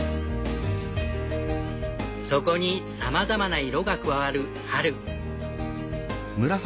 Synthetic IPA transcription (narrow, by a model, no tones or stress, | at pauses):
so̞ko̞ɲ̟isamazamanaiɾo̞ɡakɯ̟βaβaɾɯ̟ | haɾɯ̟ | mɯ̟ɾas